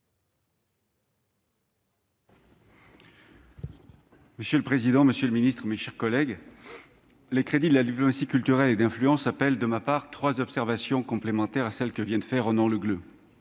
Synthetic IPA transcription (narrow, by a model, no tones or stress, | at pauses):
məsjøləpχezid̪ɑ̃məsjøləminist̪χəmeʃɛʁkɔlɛɡ | lekχed̪id̪əlad̪iplɔmasikʲylt̪yʁɛled̪ɛ̃flyɑ̃sapɛld̪əmapaʁt̪χwazɔpsɛʁvasjɔ̃kɔ̃plemɑ̃t̪ɛʁasɛlkəvjɛ̃d̪əfɛʁɔnɔ̃ləɡlø